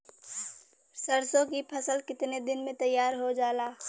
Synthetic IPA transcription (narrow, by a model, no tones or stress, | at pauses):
səɾsõkipʰɐsəlkɪt̪ned̪ɪnmẽt̪ɐjːaːɾɦod͡ʒaːlaː